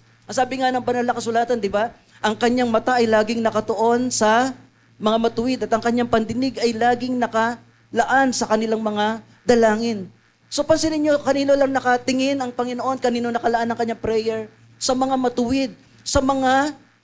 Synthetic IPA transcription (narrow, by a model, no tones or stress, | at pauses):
ʔɐsaːbɪŋanɐŋbɐnɐlɐŋkɐsʊlaːt̪ɐnd̪ɪba | ʔɐŋkɐɲaŋmɐt̪aʔɐjlaːɡɪŋnɐkɐt̪oʔo̞nsɐ | mɐŋamɐt̪ʊwɪd̪ɐt̪ɐŋkɐɲːaŋpɐnd̪ɪnɪɡɐjlaːɡɪŋnɐkɐ | lɐʔansɐkɐnɪlaŋmɐŋa | d̪ɐlaːŋɪn | so̞pɐnsɪnɪɲːo̞kɐniːnolɐŋnɐkɐt̪ɪŋɪnɐŋpɐŋɪnoʔo̞nkɐniːnonɐkɐlɐʔanɐŋkɐɲːaŋpɾɛjɛɹ | sɐmɐŋamɐt̪ʊwɪd̪̚ | sɐmɐŋa